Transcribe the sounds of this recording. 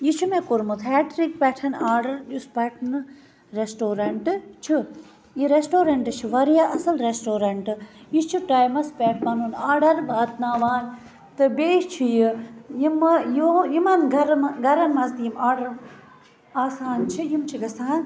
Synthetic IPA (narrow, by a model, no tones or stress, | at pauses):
jit͡ʃʰimẽkuɾmut̪ʰeːʈɾik̚pɛːʈʰɐnaːɾɖɐɾɗuspɛʈʰn | ɾesʈoːɾɐɳʈɨt͡ʃʰi | jiɾesʈoːɾɐɳʈɨt͡ʃʰiʋɐɾjaːʔɐsɐlɾesʈoːɾɐɳʈɨjit͡ʃʰiʈaːjmɐspeːʈʰmɐnunaːɾɖɐɾbaːt̪naːʋaːn | t̪ɨbeːt͡ʃʰijijimjujimɐnɡɐɾmɡɐɾɐnmɐzt̪jimaːɾɖɐɾ | aːsaːnt͡ʃʰijimt͡ʃʰiɡɐsaːn